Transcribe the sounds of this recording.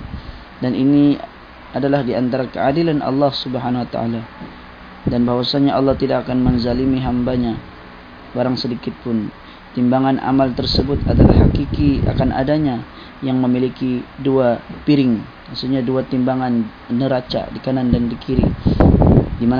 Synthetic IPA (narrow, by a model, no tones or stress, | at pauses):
danʔini | adalahdiant̪aɾakəadilanʔɑ̰lːɑhsubəɦanawat̪a̰ʔa̰la | danbaɦwasaɲaʔɑlːɑht̪idakakanmənzalimiɦambaɲa | baɾaŋsədikɪt̪̚pʊn | t̪imbaŋanʔa̰malt̪ərsəbʊt̪adala̰hhakikia̰kanʔa̰daɲa | jaŋməmilikiduapiɾɪŋ | masuɲaduat̪imbaŋan | nəɾat͡ʃa̰dikanandandikiɾi | diman